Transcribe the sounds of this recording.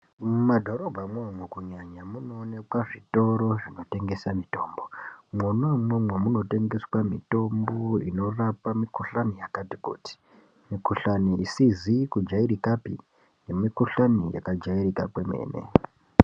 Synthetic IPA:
madʱo̞ɾo̞bʱamwamwekuɲaɲamuno̞ːnekwaʐito̞ɾo̞ʐino̞te̞ŋɡe̞samito̞ːmbo̞mwonamwemwemuno̞te̞ŋɡe̞swamḭto̞mbo̞ḭno̞rapamikoɬanijakati̥kṵːti̥ | mikoɬaniisizikud͡ʒaiɾikapi | nemikoɬanija̰kad͡ʒaiɾika̰peme̞̰ːnḛ

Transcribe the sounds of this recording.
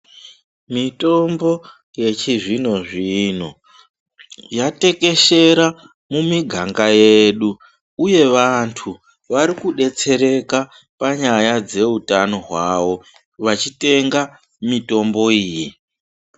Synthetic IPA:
mito̞mbo̞ | je̞t͡ʃiʐino̞ʐino̞ | jate̞ke̞ʃe̞ɾa | mumiɡʱaŋɡajeɗu | uje̞ʋantʰu | ʋaɾikuɗe̞t͡se̞ɾe̞ka | paɲajad͡ze̞utano̞ɦwaʋo̞ | ʋat͡ʃite̞ŋɡa | mito̞mbo̞iːji

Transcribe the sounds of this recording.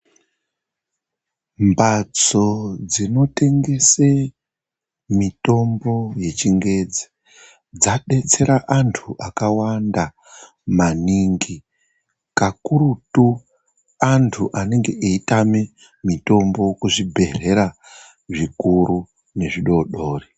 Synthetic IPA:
mbat͡so̞d͡zino̞te̞ŋɡe̞se | mito̞mbo̞je̞t͡ʃiŋɡe̞d͡zi̥ | d͡zaɗe̞t͡se̞ɾaʔantʰuʔakawanda | maniŋɡi | kakuɾutu | antʰuʔane̞ŋɡe̞ʔeitame | mito̞mbo̞kuʐibʱe̞re̞ɾa | ʐikuɾu | ne̞ʐiɗo̞ɗo̞ːri

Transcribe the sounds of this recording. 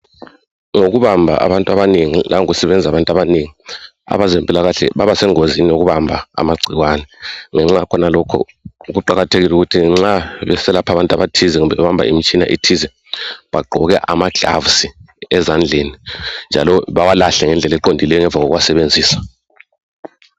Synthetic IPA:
ŋoɣuβambʱa̰ʔa̰βantʼuaβaneŋilʔaŋuɣusɛβɛnd͡zʱaβantʼaβaneŋi | a̰βazempʼilaɣaɬɛ̰βaβasɛŋozinijoɣuβambʱaa̰maɡ͡ǀʱiɣwanɛŋɛŋ͡ǁakʰɔnalɔkʰɔ̰ | uɣuǃaɣatʰeɣiluɣutʰiŋ͡ǁaβɛsɛlapʰaβantʼaβatʰizɛŋumbɛβɛβambʱa̰ḭmit͡ʃʼina̰ʔitʰizɛ | βaɡ͡ǃʱɔɣɛ̰ʔa̰maɡ̥ʱa̰vusi | ɛzand͡ɮʱenind͡ʒʱalɔβawalaɬɛŋɛnd͡ɮʱɛlɛǃondʱilɛjɔŋɛɱvaɣɔ̰ɣuwasɛβend͡zʱiːsḁ

